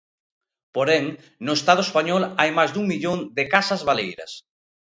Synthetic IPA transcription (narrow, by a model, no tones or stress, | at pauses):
poɾɛŋ | nʊest̪að̞ʊespaɲɔlajmajzd̪uŋmiʎoŋd̪ɪkasɐzβalejɾɐ̰s